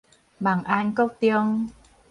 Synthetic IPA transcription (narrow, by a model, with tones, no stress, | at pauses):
ɓaː˨˩ŋʔa˧ŋkɔ˦˥t̪i˧əŋ